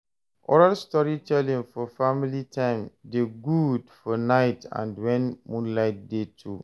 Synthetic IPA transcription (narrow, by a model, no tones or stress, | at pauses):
ʔɔ̰ɹalstɔɹitʰɛlĩŋfɔfamilitʰãɪ̃mdeɡudfɔnaɪtã̰ndwɛ̃nmũnlaɪt̚detʰṵ